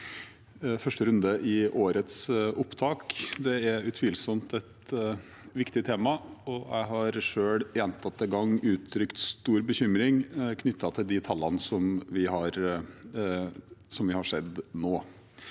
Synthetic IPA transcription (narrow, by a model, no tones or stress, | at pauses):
fœʂʈəɾʉnd̪əʔɪʔoːɾət̪sʔʊpːt̪ʰɑːkd̪ɛæɾʉt̪ʰʋɪːlsɔmt̪ɛt̪ | ʋɪkt̪ɪt̪ʰeːmɑɔjʔæ̰ɪɦɑɾʂøːɽjɛnt̪ʰɑt̪ːɛɡɑŋːʉːt̪ʰːɾʏkt̪st̪uːɾbəçʏmɾɪŋkʰnʏt̪ːɑt̪ʰɪld̪ɪt̪ʰɑlːɑnəsɔmʋɪhɑɾ | sɔmʋɪhɑʂɛd̪noː